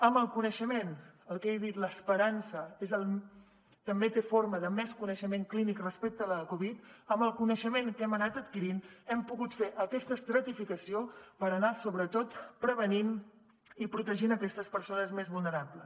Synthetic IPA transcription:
əmbəlˠkunəʃəmenəlˠkejðit̪ləspəɾansəezəlˠ | t̪əmbet̪efoɾməðəmɛskunəʃəmeŋklinikrəspɛk̚t̪ələkuβ̞it̪əmbəlˠkunəʃəmeŋkɛmənat̪ət̪kiɾinɛmpuɣut̪feʔəkɛst̪əst̪ɾət̪ifikəsiopəɾənasoβɾət̪ot̪pɾəβənin | ipɾut̪əʒinəkɛst̪əspəɾsonəzmezβulˠnəɾaplə

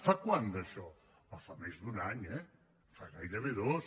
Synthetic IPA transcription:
fakwand̪ɐʃɔ | afamezðunaɲɛ | faɣajɾəβeðos

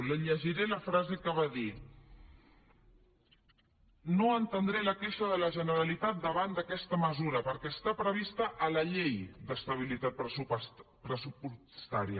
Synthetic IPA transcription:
ləʎəʒiɾeləfɾazekəβaði | noənt̪ənd̪ɾeləkeʃəðələʒənəɾəlit̪at̪̚d̪əβand̪əkɛst̪əməzuɾəpəɾkɛːst̪apɾəβ̞ist̪əʔːləʎejd̪əst̪əβ̞ilit̪at̪̚pɾupɾəsupu | st̪aɾiə

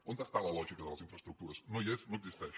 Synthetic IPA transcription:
õnd̪ast̪alˠɐlˠɔʒikɐðəlˠɐzĩɱfɾɐst̪ɾuk̚t̪uɾɐznõiɛsnõwkzist̪ɛʃ

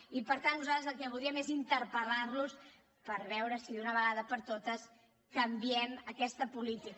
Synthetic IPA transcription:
ipəɾt̪annuzat̪ɾəzəlˠkɛβuðɾiəmezint̪əɾpəlarnus | pəɾβɛwɾəsiðunəβəɣaðəpəɾt̪ot̪əs | kəmbiɛməkɛst̪əpulit̪ik

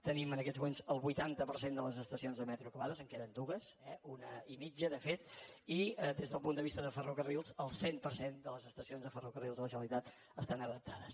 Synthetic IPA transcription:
t̪ənimənəkɛzmumenzəlˠβujt̪ant̪əpəɾsend̪ələzəst̪əsionzðəmɛt̪ɾukuβaðəzəŋkɛðənd̪uɣəsɛunəimid͡ʒəðəfet̪id̪ezðəlˠpund̪əβist̪əðəfərukərilˠzəlˠsempəɾsend̪ələzəst̪əsionzðəfərukərilˠzðələʒəlˠit̪at̪ | əst̪anəðək̚t̪ʰaðəs

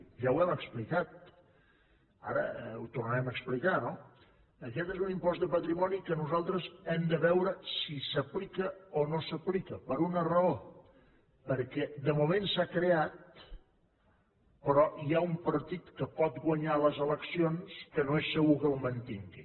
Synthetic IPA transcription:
ʒawɛməksplikat̪̚ | a̰ɾə̰ut̪urnəɾɛməksplikano | əkɛt̪ezunimpɔzt̪d̪əpət̪ɾimɔnikənuzalˠt̪ɾəzɛmd̪əβɛwɾəsisəplikəonosəplikəpəɾunərəo | pəɾkɛd̪əmumensakɾeat̪̚ | pəɾɔiaumpəɾt̪it̪kəpɔt̪ɡwəɲaləzələksionskənoesːəɣukəwmənt̪iŋɡi

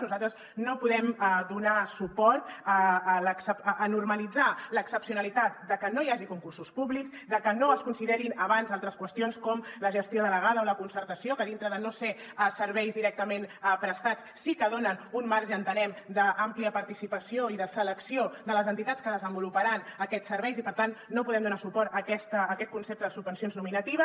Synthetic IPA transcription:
nuzalt̪ɾəz | nopuðɛməd̪unasupɔɾt̪ələksəpːnurməlid͡zaləksəpsiunəlit̪at̪̚d̪əkənojaʒikuŋkursuspuβlikzd̪əkənoəskunsiðɛɾinəβanzalˠt̪ɾəskwəst̪ionskɔmləʒəst̪joðələɣ̞aðəoləkunsəɾt̪əsiokəðint̪ɾəðənose | əsəɾβɛjzd̪iɾɛk̚t̪əmenpɾəst̪at͡ssikəðonənunmaɾʒəːnt̪ənɛmd̪əʔampliəpəɾt̪isipəsioiðəsələksiodðələzənt̪it̪at͡sskəðəzəmbulupəɾanəkɛt͡ssːəɾβɛjzipəɾt̪anːopuðɛmd̪unasupɔɾt̪əkɛst̪əːkɛt̪̚kunsep̚t̪əðəsubənsionznuminət̪iβə

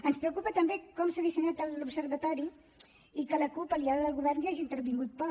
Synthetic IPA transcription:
ənspɾəkupət̪əmbekɔmsaðisəɲat̪əlupsəɾβət̪ɔɾi | ikələkupəliaðəðəlˠɣuβɛrniaʒint̪əɾβiŋɡut̪̚pɔ

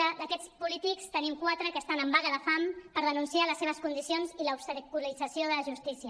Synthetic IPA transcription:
əd̪əkɛt͡spulit̪ikst̪ənimkwat̪ɾəkəːst̪anəmbaɣəðəfampəɾð̞ənunsialəsːeβ̞əskund̪isionziləupst̪əkulid͡zəsioðələʒust̪isiə

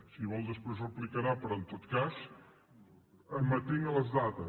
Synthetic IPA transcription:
siβɔlˠd̪əspɾezrəplikəɾapɾɔnt̪ot̪kas | əmət̪eŋələzðat̪ə

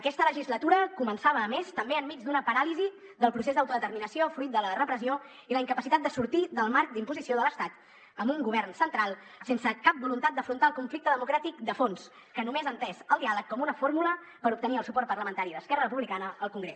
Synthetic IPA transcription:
əkɛst̪ələʒizlət̪uɾəkumənsaβ̞əːmest̪əmbeəmːid͡zd̪unəpəɾalizi | d̪əlˠpɾusezd̪əwt̪uðət̪əɾminəsiofɾuit̪̚d̪ələrəpɾəsio | iləiŋkəpəsit̪at̪̚d̪əsuɾt̪iðəlˠmaɾk̚d̪impuzisioðələst̪at̪ | əmbuŋɡuβ̞ɛrnsənt̪ɾalˠ | sensəkap̚bulunt̪at̪̚d̪əfɾunt̪aəlˠkuɱflikt̪əðəmukɾat̪ikd̪əfons | kənumezənt̪ɛzəlˠd̪ialəkːɔmunəfoɾmulə | pəɾup̚t̪əniəlˠsupɔɾt̪pəɾləmənt̪aɾiðəskɛrərəpuβlikanəːlˠkuŋɡɾḛ

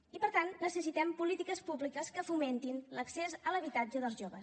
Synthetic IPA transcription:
ipəɾt̪anːəsəsit̪ɛmpulit̪ikəspublikəskəfument̪inləksezələβit̪ad͡ʒəðəlˠzʒoβəs

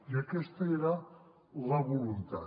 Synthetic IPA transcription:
iakest̪aeɾa | laβolunt̪a̰

